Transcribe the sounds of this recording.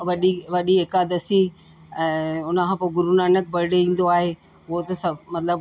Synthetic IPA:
ʋɐɗiʋɐɗiɦɪkad̪ɐsi | ʊnkʰãːpoːɡʊɾunaːnəkbɐɾɪɽeĩːn̆d̪oaːɦe | ʊɦot̪ɐsɐmɐt̪ləb

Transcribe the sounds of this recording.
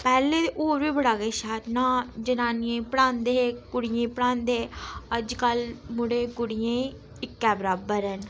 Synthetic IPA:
pɛːleːʔoːɾʋiːbəɽaːɡeːʃaːɾnãːd͡ʒənaːnijẽːpəɽãːnd̪eːkʊɽɪjẽːpəɽãːnd̪eːəd͡ʒkəlmʊɽeːkʊɽɪjẽː | ɪkːɛːbəɾaːbəɾɦən

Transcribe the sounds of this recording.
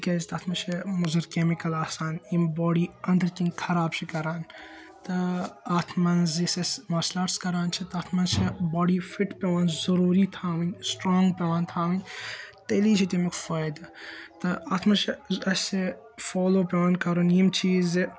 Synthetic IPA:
kɐzt̪aːt̪ʰmɐnt͡ʃʰɐmuzɐɾkeːmikɐlaːsaːnimbɔːɽiɐnd̪ɐɾkĩnkʰɐɾaːbt͡ʃʰikɐɾaːn | t̪ɐaːt̪ʰmɐnzisesmaːslaːɾskɐɾaːnt͡ʃʰit̪aːt̪ʰmɐnzt͡ʃʰɐbɔːɖifiʈpʲeʋaːnzɐɾuːɾit̪ʰaːʋɐsʈɾoːŋɡpeʋaːnt̪ʰaːʋɐt̪eliːt͡ʃʰit̪imikfɐjd̪ɐt̪ɨaːt̪ʰmɐnt͡ʃʰɐɐse | foːloːpeʋaːnkɐɾonimt͡ʃʰiːz

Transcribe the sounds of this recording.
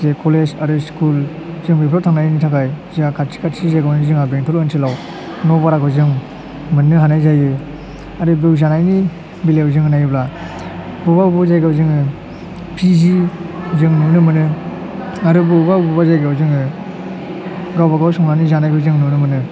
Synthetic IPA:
zekʰɔlezaɾɯskul | zɯŋbipʰɾɔtʰaŋnajnitʰakajziakʰat̚sʰi̥kʰatsizajɡawnizɯŋabeŋtʰɔlɯnsʰilaw | nɔbaɾakʰɯzɯŋ | mɯnɯɦanajzajɯ | aɾɯbɯwzanajni | bilewzɯŋɯnajɯbla | buβaubɔzajɡawzɯŋɯ | pʰizizɯŋnunɯmɯnɯ | aɾɯbɯbabubazajɡawzɯŋɯ | ɡawbaɡawsɔŋnanizanajkɯzɯŋnɯnɯmɯnɯ

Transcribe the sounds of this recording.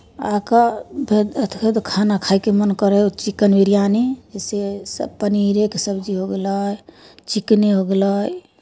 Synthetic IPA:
a̰kabʱed̪ət̪ʰkʰəd̪kʰanakʰaikemənkəɾet͡ʃikːənwiɾijanid͡ʒesesəpəniɾekesəbd͡ʒiɦoɡelat͡ʃikneɦoɡelaj

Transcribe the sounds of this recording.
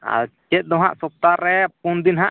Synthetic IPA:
a̰lt͡ʃɛt̪̚ˀd̪ɔɦaʔsɔp̚t̪aɾːɛpund̪inɦaʔ

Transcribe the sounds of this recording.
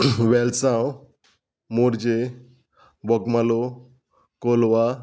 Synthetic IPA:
ʋɛlsãw | moɾd͡ʑe | bɔkmalo | kolʋa

